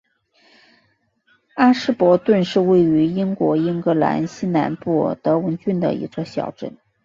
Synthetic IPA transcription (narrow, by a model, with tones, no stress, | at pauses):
a˥ʂɻ̩˥pwɔ˧˥t̪wə˥˧nʂɻ̩˥˧we˥˩ɪy˧˥i˥ŋkwɔ˧˥i˥ŋkɤ˧˥la̰˧˥nɕi˥na˧˥npu˥˩t̪ɤ˧˥wə˧˥nt͡ɕy˥˩nd̪ə̰˩ḭ˧˥t͡sʰɤ˥˩ɕjɑ̰˨˩ʊʈ͡ʂə̰˥˩n